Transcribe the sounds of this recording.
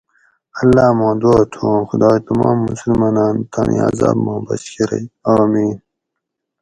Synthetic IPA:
ɐlːɑːmɑ̃ːd̪oːt̪ʰomxʊd̪ɑːt̪amɑːmːʊsulmɑːnɑːnt̪ʰɑːnʔḭa̰zɑ̰ːbmɑ̃ːbɐ̰skiɾɐ̰jaːmiːn

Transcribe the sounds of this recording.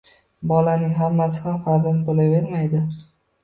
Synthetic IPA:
bɒlanɪŋɦamːasɪhamfaɾzant̪olaveɾmajd̪ɪ

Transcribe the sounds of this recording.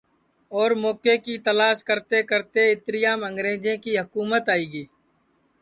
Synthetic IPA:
ɔːɾmoːkekit̪əlaːʃkəɾt̪ekəɾt̪eɪt̪ɾɪjaːmə̃ŋɡɾeːd͡ʒẽkiɦʊkuːmət̪aːiːɡiː

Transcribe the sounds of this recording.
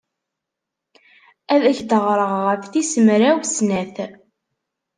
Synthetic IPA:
æðæçd̪əʁɾˤəʁːəfθisəmɾæwsnæθ

